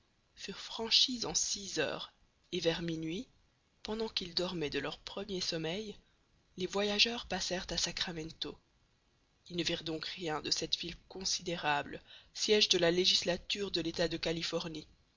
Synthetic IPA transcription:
fyʁfχɑ̃ʃizɑ̃sizœ̰ːʁ | evɛʁminɥi | pɑ̃d̪ɑ̃kild̪ɔʁmɛd̪əlœʁpχəmjesɔmɛj | levwajaʒœʁpasɛʁt̪asakχamɑ̃t̪o | ilnəviʁd̪ɔ̃kʁjɛ̃d̪əsɛt̪vilkɔ̃sid̪eʁablsjɛʒd̪əlaleʒislat̪yʁd̪əlet̪ad̪əkalifɔʁni

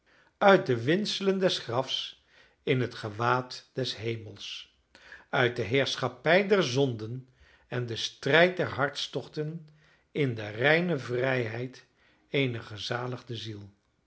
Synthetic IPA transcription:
œɥt̚dəʋɪnsələndɛsχrɑfs | ɪnɦətχəʋaːtd̥ɛsɦejməlˠs | œɥt̚dəɦɪːɹsχɑpɛjdɛɹzɔndən | ɛndəstrɛjt̚dɛɹɦɑɹtstɔχtən | ɪndərɛjnəvrɛjɦɛjt | ejnəχəzaːləχdəzilˠ

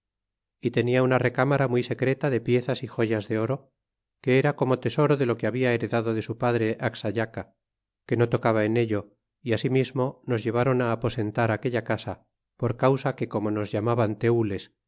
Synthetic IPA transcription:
it̪e̞niaunare̞kamaɾamwuijse̞kɾe̞t̪aðe̞pje̞θasixo̞ʝazðe̞o̞ɾo̞ | ke̞eɾako̞mo̞t̪e̞so̞ɾo̞ðe̞lo̞keaβiae̞ɾe̞ðaðo̞ðe̞supaðɾe̞ʔaksaʎaka | ke̞no̞t̪o̞kaβae̞ne̞ʎo | iasimizmo̞no̞zʝe̞β̞aɾo̞naːpo̞se̞nt̪aɾake̞ʎakasa | po̞ɾkawsake̞ko̞mo̞no̞zʝamaβant̪e̞ule̞s

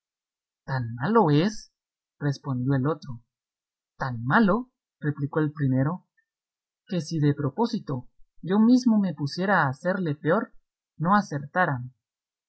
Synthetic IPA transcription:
t̪anmalo̞es | re̞spo̞nd̪jo̞elo̞t̪ɾo̞ | t̪anmalo̞ | re̞pliko̞e̞lpɾime̞ɾo̞ | ke̞siðe̞pɾo̞po̞sit̪o̞ʝo̞mizmo̞mepusje̞ɾaːse̞ɾle̞peo̞ɾ | no̞ase̞ɾt̪aɾame

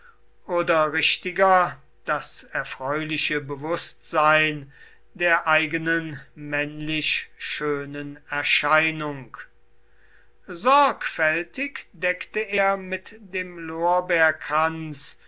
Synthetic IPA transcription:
ʔoːdɐʁɪʃtɪɡɐ | d̥asɛɐfʁ̥ɔʏlɪʃəbəvʊstz̥aɪn | deːɐʔaɪɡənənmɛnlɪɕʃøːnənɛɐʃaɪnʊŋk | zɔɐkfɛltɪkd̥ɛktəeːɐmɪtdeːmloːɐbæɐkhant͡s

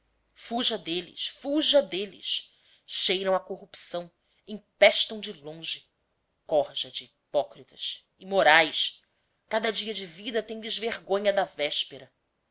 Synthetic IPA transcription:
fuʒɐd̪elɪ̰ʃfuʒɐd̪elɪ̰ʃ | ʃejɾɐ̃w̃ɐkoɦupsɐ̃w̃ | ẽpɛʃt̪ɐ̃w̃d͡ʒɪlõʒɪ | kɔhʒɐd͡ʒiːpɔkɾit̪ɐs | imoɾajs | kad̪ɐd͡ʒiɐd͡ʒɪvid̪ɐt̪ẽj̃d̪ɪzveɾɡõɲɐd̪ɐvɛʃpeɾɐ

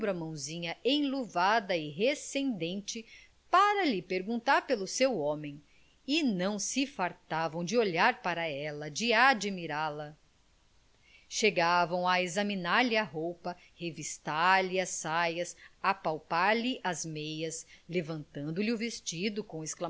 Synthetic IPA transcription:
bɾɐmɐ̃w̃zĩɲɐẽj̃luvad̪ɐɪɦesẽnd̪ẽnt͡ʃɪ | paɾɐlɪpeɾɡũnt̪aɾpelʊsewõmẽj̃ | ɪnɐ̃w̃sɪfaɾt̪avɐ̃w̃d͡ʒɪoʎaɾpaɾɐɛlɐd͡ʒɪad͡ʒimiɾalɐ | ʃeɡavɐ̃w̃ɐezɐminaɾlɪɐɦowpɐ | hevist̪aɾlɪɐsajɐsapawpaɾlɪʔɐzmejɐslevɐ̃nt̪ɐ̃nd̪ʊlɪʊvest͡ʃid̪ʊkõw̃eskla

